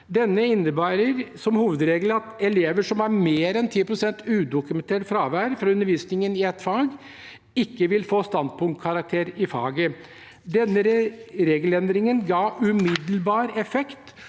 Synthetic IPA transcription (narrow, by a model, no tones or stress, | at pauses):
d̪ɛnːəɪnːəbæːɾəɾsɔmhuːʋəd̪ɾeːɡləɑt̪ɛleːʋəʂɔmæɾmeːɾɛnt̪ʰiːpʰɾʊsɛnt̪ʉːd̪ʊkʉmɛnt̪ʰeːʈfɾɑːʋæːɾfɾɑʉnːəɾʋiːsnɪŋənɪɛt̪ːfɑːɡ | ɪkːəʋɪlfoːst̪ɑnd̪pʰʊŋkʰɑɾɑk̚t̪ʰeːɾɪfɑ̰ːɡə | d̪ɛnːəɾɾeːɡəlɛnd̪ɾɪŋənɡɑːʉmɪd̪l̩bɑːɾɛfɛkt̪